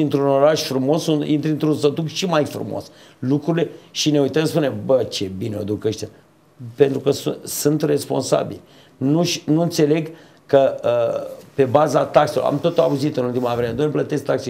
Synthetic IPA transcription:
int̪ɾuno̞ɾaʃfɾumo̞sund̪int̪ɾɨnt̪ɾunsət̪ukʃimajfɾṵmo̰s | lukɾuɾile̞ʃine̞ujt̪əmspune̞bət͡ʃe̞bineod̪ukəʃt̪ea | pe̞nt̪ɾukəsusunt̪re̞spo̞nsa̰bḭlʲ | nuʃnuɨnt̪se̞le̞ɡ | kəəpe̞bazat̪akseloɾa̰mt̪o̞t̪oauzit̪ɨnult̪imavɾe̞med̪ojplət̪esk̚t̪akse

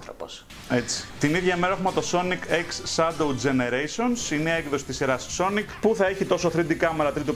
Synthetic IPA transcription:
θɾopos | et͡si̥t̪iniðʝɐeme̞ɾɐe̞xumet̪o̞so̞nikeksːɐd̪owd͡ʒe̞ne̞ɾejsio̞nsimiɐekðo̞si̥t̪isiɾɐsːo̞nikpuθɐe̞çit̪o̞so̞θɾind̪ikɐmɐɾɐt̪ɾit̪u

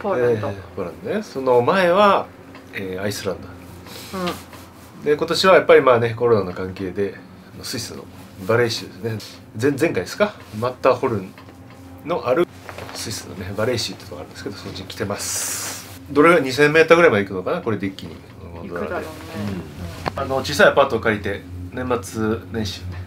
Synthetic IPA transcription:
poɾpoɾãnd̪one̞so̞no̞mae̞βa | eːaisɨɾãnd̪o | d̪e̞ko̞t̪o̞ɕiβajapːaɾʲimaːne̞ko̞ɾo̞nano̞kãŋke̞ːd̪e̞ | anosɨisɨno̞̰ | baɾe̞ːɕid̪esɨne̞ | zẽzẽ̞ŋkaijd̪e̞sɨ̥ka | mat̪ːaho̞ɾɯ̟̃n | no̞ʔaɾɯ̟ | sɨisɨno̰nebaɾe̞ːɕit̪ːot̪oa̰ɾɯ̟nd̪esked̪osoot͡ɕiɲkʲi̥t̪e̞masɨ̥ | d̪o̞ɾeɡɲ̟is̬ẽ̞mːe̞ːt̪aɡɯɾaimoikɯ̟nokanako̞ɾe̞d̪e̞kʲːiɲ̟ḭ | od̪oa̰e | ɯ̃ano̞t͡ɕiːsaipaːt̪okait̪e̞nẽ̞mːat͡sɨnẽ̞ɰ̃ɕɨne

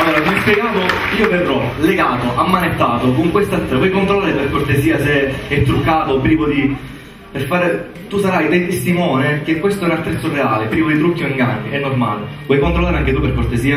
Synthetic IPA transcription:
alːoːɾat̪ispjɛɡaːvo | iːoverɾɔ | leɡaːt̪oʔamːanet̪ːaːt̪okoŋkwest̪at̪ːɾvwɔjkont̪ɾolaːɾɪperkort̪eziːaseɛt̪ːɾukːaːt̪opɾiːvod̪i | perfaːɾ | t̪usaɾajd̪ɛjt̪ɪst̪imɔːnek̟ekːwest̪oɛnat̪ːɾet̪sːoreaːlepɾiːvod̪it̪ɾukːjoiŋɡanːiɛnːorma̰ːlevwɔjkont̪ɾolaːɾeaŋket̪uperkort̪eziːa

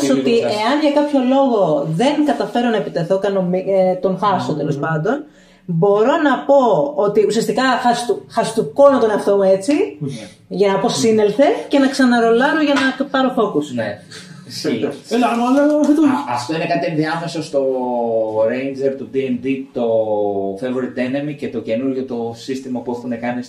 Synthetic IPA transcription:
so̞t̪ieɐnʝɐkɐpço̞lo̞ɣo̞ðe̞ŋkɐt̪ɐfe̞ɾonɐepit̪e̞θo̞kɐnomit̪o̞nxɐsot̪e̞lo̞spɐnd̪o̞n | bo̞ɾo̞nɐpo̞ot̪iusiɐst̪ikɐxɐsi̥t̪uxɐsi̥t̪uko̞not̪oneɐft̪o̞mue̞t͡si | ʝɐnɐpo̞sine̞lθe̞ce̞nɐksɐnɐɾo̞lɐɾoʝɐnɐt̪opɐɾo̞fo̞kusne | elɐɾmond̪ɐoɐθit̪uɐft̪o̞inekɐt̪ienðiɐmesost̪o̞ | ɾejnd͡ʒe̞ɾt̪ud̪iend̪it̪o̞θevoɾit̪enemice̞t̪o̞ce̞nuɾʝot̪o̞sist̪imɐpuexune̞kɐnis

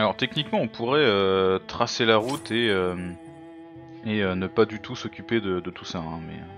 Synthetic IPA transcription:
alɔʁt̪ɛknikmɑ̃ɔ̃pʰuʁɛøt̪χaselaʁut̪eøm | eønəpad̪yt̪ʰusɔkʲyped̪əd̪ət̪ʰusaɛ̰̃mɛ̰ø̰

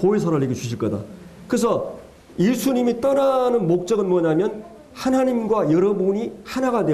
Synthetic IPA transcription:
koesʰʌɾʌʎːiɡit͡ɕuɕʰiɭk͈ʌda̰ | kɯs̬ʰʌ | jesʰuɲimit͈ʌɾanɯnmok̚t͡ɕ͈ʌɡɯnmwʌɲamjʌn | hanaɲimɡwajʌɾʌbuɲihanaɡade

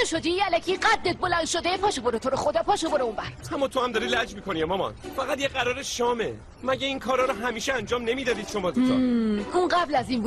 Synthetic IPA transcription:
eʃod̪iːjælæcʰiːɢæd̪ːet̪̚bolænd̪ʃod̪epʰɒːʃeboɾet̪ʰoɾexod̪ɒːpʰɒːʃeboɾeunbæɾhæmːɒːt̪ʰohæmd̪ɒɾilæd͡ʒmiːkʰo̞nijɒmɒmɒ̰nfæɣæt̪jeɣæɾɒːɾeʃɒːmḛ | mæɟeinkʰɒːɾɒːɾɔɦæmiːʃeænd͡ʒɒːmne̞miːd̪ɒːd̪iːd̪̥ʃomɒːt̪ut̪ʰɒ̰unɢæblæziːnbu

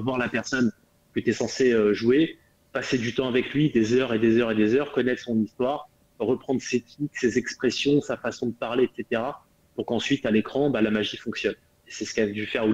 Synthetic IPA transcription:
vwaʁlapɛʁsɔn | kət̪yɛsɑ̃seøʒue | pased̪yt̪ɑ̃avɛklɥid̪ezœʁed̪ezœʁed̪ezœʁkɔnɛt̪χsɔ̃nist̪waʁ | ʁəpχɑ̃d̪ʁsepʰiksezɛkspχesjɔ̃safasɔ̃d̪əpaʁleːt̪set̪eʁa | puʁkɑ̃sɥit̪alekχɑ̃balamaʒifɔ̃ksjɔn | esɛsə̥kad̪yfɛʁu

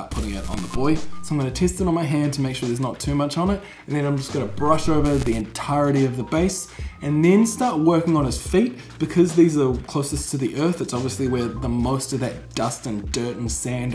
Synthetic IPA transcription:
pʰʊɾɪ̃ŋɪ̰ɾn̩ðəbɔɪsoʊãɪ̃mʌnɨtʰɛstɨɾn̩maɪɦæ̃ndtʰəmeɪkʃʊɹðə˞znətʰʉmʌt͡ʃn̩ɪt̚ | n̩ðɨ̃ñãɪ̃md͡ʒʌsɡ̥ʌɾɨbɹʌʃoʊvə˞ðiɨ̃ntʰaɪɹɨɾiʌvðɨbeɪsɨ̃nðɨ̃nstɑɹt̚wɜ˞kɪ̃ŋə̃nɨz̥fit̚ | b̥ɨkʰʌzðizə˞kʰl̥oʊsɨstʰɨðiʔɜ˞θɨtsɑbviɨsliwə˞ðəmoʊstʌvðɨt̚d̥ʌstɨ̃nd̥ɜ˞ʔn̩sæ̃nd

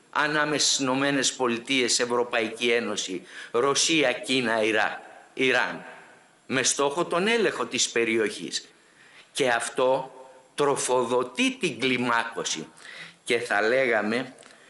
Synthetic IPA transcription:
ɐ̰nɐmesɐsisino̞me̞ne̞spo̞lit̪ie̞se̞vɾo̞pɐicie̞no̞siɾo̞siɐcinɐiɾɐ̰kiɾɐ̰n | me̞st̪o̞xo̞t̪o̞ne̞le̞xo̞t̪ispe̞ɾio̞çḭs | ce̞ɐft̪o̞t̪ɾo̞fo̞ðo̞t̪it̪iŋɡlimɐko̞sḭce̞θɐle̞ɣɐme̞

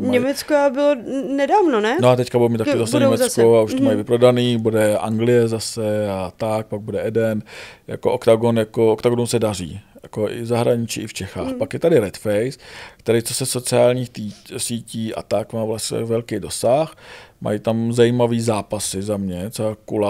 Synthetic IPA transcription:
ɲɛmɛt͡skojaːbɪlonɛdaːvnonɛnoat̪ɛckabomɪt̪akzasɛɲmɛt͡skoauʃomajivɪpɾodaniːbudɛʔa̰ŋɡlɪjɛzasɛat̪ak̚paɡ̚budɛʔɛdɛnja̰koʔokt̪aɡonjakoʔokt̪aɡonusɛdarḭːjako̞ʔɪ̰vzaɦɾaɲɪt͡ʃḭʔɪft͡ʃɛxaːxpakjɛt̪adɪɾɛt̪fɛjskt̪ɛɾejt͡sosɛso̞t͡sɪaːlɲiːxt̪isiːciːʔa̰t̪akmaːvlasɲt̪a̰kvɛlkɛjdo̞saxmʔa̰jt̪amzajimaviːzaːpasɪzamɲɛt̪sɛakula

